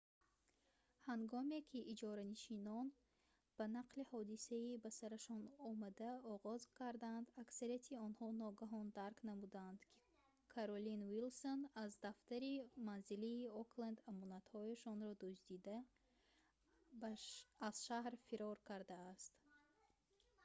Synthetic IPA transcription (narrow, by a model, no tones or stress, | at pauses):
haŋɡɔme̞kʰiʔːd͡ʒɔɾaniʃinɔn | b̥anaqʰlihɔd̪isaibasaɾaʃɔnɔmad̪aɔʁɔzkʰaɾd̪and̪aksaɾijat̪ʰiɔnhɔnɔɡaɦɔnd̪aɾknamud̪aːnd̪kʰi̥ | kʰaɾolinwilso̞nazd̪aft̪aɾimanziliːokland̪amɔnat̪hɔjaʃɔnɾɔd̪usd̪id̪a | bːz̥ʃahɾfiɾɔɾkʰaɾd̪aːst̪